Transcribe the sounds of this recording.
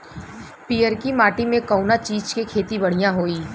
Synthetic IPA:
piːəɾkimaːʈimẽkɐʊnat͡ʃiːd͡ʒkekʰeːt̪ibɐɽ̤ijãɦoːiː

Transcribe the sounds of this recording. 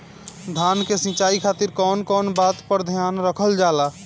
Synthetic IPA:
d̪ʱankesĩt͡ʃaːikʰaːt̪iɾkɔːnkɔːnbat̪pəɾd̪ʱjanɾəkʰəld͡ʒaːla

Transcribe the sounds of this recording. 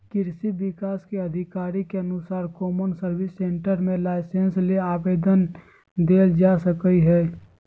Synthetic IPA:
kɪɾsiʋɪkaːskeɐd̪ʱɪkaːɾikeɐnʊsaːɾkɔːmənsəɾʋɪsːẽːɳʈəɾmẽlaːɪsensleaːʋeːd̪ən | d̪eːld͡ʒaːsəkəiɦɛː

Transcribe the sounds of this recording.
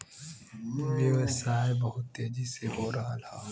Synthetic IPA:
ʋeʋsaːebɐɦʊt̪ːeːd͡ʒiseɦoːɾɐɦalaː

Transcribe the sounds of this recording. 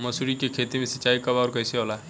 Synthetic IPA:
mɐsuɾikekʰeːt̪imẽsɐt͡ʃːaːikɐbaːɾkɐjseɦola

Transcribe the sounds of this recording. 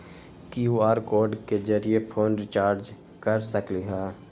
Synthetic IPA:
kijuaːɾkoːɾɖked͡ʒəɾijepʰoːnɾɪt͡ʃaːɾd͡ʒ | kəɾsəkliɦaː

